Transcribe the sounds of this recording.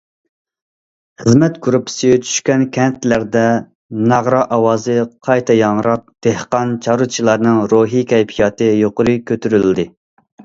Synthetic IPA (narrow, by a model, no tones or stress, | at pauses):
χəzmɛt̪ɡuɾupʰɪ̥sijt͡ʃʰy̥ʃkʲɛnkʲʰɛnt̪læɾd̪ɛ | nɑʁɾɑʔɑwɑːzɨqʰɑjt̪ʰɛjɑŋɾɑq̚d̪̥ehqɑnt͡ʃʰɑɾut͡ʃʰilˠɑɾnɨŋɾoɦikʲʰɛjpʰijɑːt̪ɨjoqʊɾɨkʲʰøt̪ʰyɾyld̪ɪ